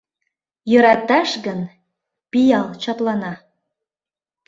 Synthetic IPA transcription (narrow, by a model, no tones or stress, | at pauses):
jøɾɑt̪ɑʃɣən | pijɑlˠt͡ɕɑplɑnɑ